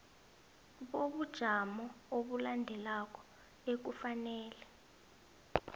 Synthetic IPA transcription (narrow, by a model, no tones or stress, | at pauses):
ɓoɓud̥ʒ̥ʱamɔoɓulandʱɛlak̬ʼɔ̥ | ek̬ufanɛːlɛ